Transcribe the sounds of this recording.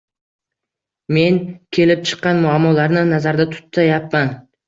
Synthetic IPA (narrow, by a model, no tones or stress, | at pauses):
me̞nkʲʰe̞lɪp̚t͡ʃʰɨ̥qːɑnmʊamːɒlaɾnɪnazaɾd̪at̪ʰʊ̥t̪ːajapman